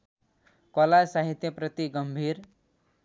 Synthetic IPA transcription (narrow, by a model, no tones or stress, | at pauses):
kʌlasaɦit̪jʌprʌt̪iɡʌmbʱiɾ